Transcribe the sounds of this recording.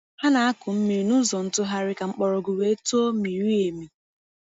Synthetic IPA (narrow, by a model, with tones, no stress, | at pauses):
ha˦na˨a˦kʊ˨m̩˦mi˨ɾnu˦zɔ˨n̩˦tʊ˦ɦa˦ɾɪ˦ka˨ŋ͡m̩˦k͡pɔ˨ɾɔ˨ɡu˨we˦e˦to˦mi˨ɾi˦e˨mi˨